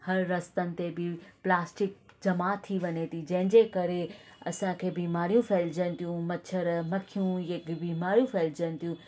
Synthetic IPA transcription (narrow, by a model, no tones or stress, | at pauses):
hɐɾːɐst̪ənɪ̆t̪ebɪplaːsʈɪk̚d͡ʑɐmat̪ʰiʋɐɲet̪ʰid͡ʑɐ̃ɦɪ̃ɲd͡ʑekɐɾeɐ̰sãkʰeːbiːmaːɾijũfʰɛːld͡ʑənɪ̆t̪ijũmɐt͡ɕʰəɾmɐkʰijũɐɡbiːmaːɾijũfʰɛːld͡ʑənɪ̆t̪ijũ